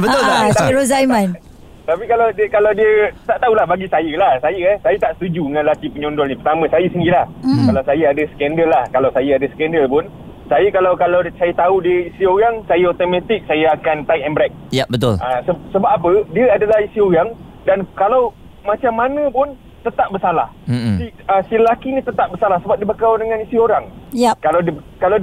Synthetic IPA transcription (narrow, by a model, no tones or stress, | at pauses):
bəʊat̪aiɾozajmãn | t̪apikalawdikalawdiət̪aʔt̪aulahbaɡisajəlahsajəɛhsajət̪aʔsə̥t̪ud͡ʒudəŋãnlat̪ipəɲɔndɔlɲipərt̪amə̃sajəsənilahkalawsajaadəsə̥kɛndəlːahkalawsajəadəsə̥kɛndəlpʊn | sajəkalawkalawsajət̪audiəisioɣaŋsajaot̪omãt̪ɪk̚sajaakant̪aiʔɛmbɾɛk̚jabət̪ʊləsəsəbap̚apədiəadəlahisioɣaŋ | dankalaw | mat͡ʃamːanə̃pʊn | t̪ət̪aʔ̚bəsala̰h̩siəsillakinit̪ət̪aʔ̚bərsalahsəbap̚dibəkawdəŋãnisioɾaŋkalawdkalaw